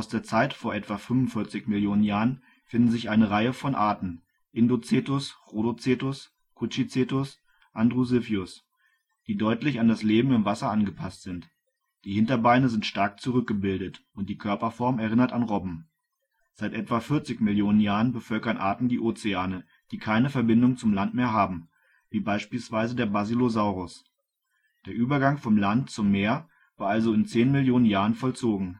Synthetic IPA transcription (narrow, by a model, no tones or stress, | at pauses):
ʔaʊsd̥eːɐt͡saɪtfoːɐʔɛtv̥afʏmvʊnfɪɐt͡sɪçmɪljoːnənjaːʁən | fɪndn̩zɪçʔaɪnəʁaɪəfɔnʔaɐtn̩ | ʔɪndot͡seːtʊsʁodot͡seːtʊs | kʰut͡ʃit͡seːtʊs | ʔandʁuzɪfjʊs | d̥iːdɔʏtlɪçandasleːbm̩ɪmvasɐʔanɡəpʰastz̥ɪnt | d̥iːhɪntɐbaɪnəzɪntʃtaɐk̚t͡suʁʏk̚ɡ̥əbɪldətʔʊnt̚d̥iːkʰœɐpɐfɔɐmɛɐʁɪnɐtanʁɔbm̩ | z̥aɪtʔɛtv̥afɪɐt͡sɪçmɪljoːnənjaːʁənbəfœlkɐnʔaːɐtn̩diːʔoːt͡seaːnə | d̥iːkʰaɪnəfɛɐbɪndʊŋt͡sʊmlantmeːɐɦaːbm̩ | viːbaɪʃpiːlsv̥aɪzədeːɐbazilozaʊʁʊs | d̥eːɐʔyːbɐɡaŋfɔmlantt͡sʊmːeːɐ | vaːɐalzoɪnt͡seːnmɪljoːnənjaːʁənfɔlt͡soːɡŋ̩